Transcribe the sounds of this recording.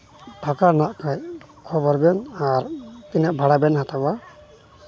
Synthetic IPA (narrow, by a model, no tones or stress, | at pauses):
pakaɾnaʔkʰaj | kʰɔbɔɾbɛnaɾt̪ɛnaʔbʱaɽabɛnɦat̪ʰaba